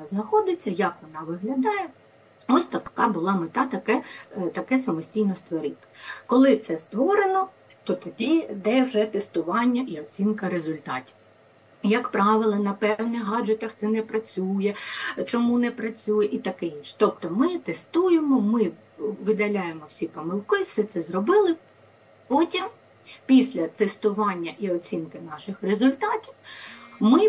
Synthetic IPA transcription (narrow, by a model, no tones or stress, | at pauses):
ɐznɐxɔd̪ɪt͡sʲːɐjɐkʋɔnɑʋɪɦlʲɐd̪ɑjɛ | ɔsʲt̪ɐkɑbʊlˠɑmɪt̪ɑt̪ɐkɛt̪ɐkɛsɐmɔsʲtʲijnɔst̪ʋɔɾɪt̪ɪ̥kɔlˠɪt̪sɛst̪ʋɔɾenɔ | t̪ɔt̪ɔdʲid̪ɛwʒɛt̪est̪ʊʋɑnʲːɐʔiɔt͡sʲinkɐɾezʊlʲt̪ɑtʲi̥w | jɐkpɾɑʋɪlˠɐnɐpɛwnɪɦɑd͡ʒet̪ɐxt̪sɛnɛpɾɐt͡sʲujɛt͡ʃɔmunɛpɾɐt͡sʲujɛʔit̪ɐkɪinʃt̪ɔpt̪ɔmɪt̪ɛst̪ujemɔmɪ | ʋɪd̪ɐlʲajemɔwsʲipɔmɪlˠkɪwsɛt̪sɛzɾɔbɪlˠɪ | pɔtʲim | pʲisʲlʲɐt̪est̪ʊʋɑnʲːɐʔiɔt͡sʲinkɪnɑʃɪxrezʊlʲt̪ɑtʲiwmɪ